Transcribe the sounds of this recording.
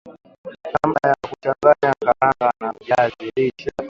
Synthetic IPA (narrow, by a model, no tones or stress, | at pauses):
kamajakut͡ʃaŋɡaɲaŋɡaɾaŋɡanamvjazilit͡ʃa